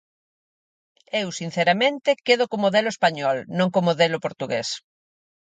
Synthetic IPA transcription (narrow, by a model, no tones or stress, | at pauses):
ewsin̟θeɾamẽnt̪ɪkeðokomoðelʊespaɲɔlnõŋkomoðelʊpoɾt̪uɣes